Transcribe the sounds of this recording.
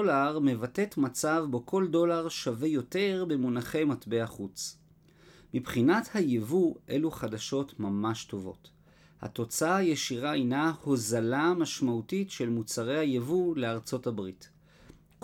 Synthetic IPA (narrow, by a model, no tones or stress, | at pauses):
olaʁme̞vate̞tmat͡savbo̞kʰo̞ldo̞laʁʃave̞jo̞te̞ʁbe̞munaχe̞jmatbe̞aχut͡s | mipχinathajevuʔe̞luχadaʃo̞tmamaʃto̞vo̞̰t | ha̰to̞t͡saajeʃiʁaejnaho̞zalamaʃmautitʃe̞lmut͡saʁe̞jhajevule̞aʁt͡so̞tabʁit | k